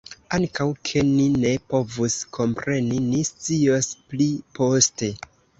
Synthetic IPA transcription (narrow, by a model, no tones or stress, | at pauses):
aŋkawkʰe̞nine̞po̞vuskʰo̞mpɾe̞ninist͡siosplipʰo̞ste̞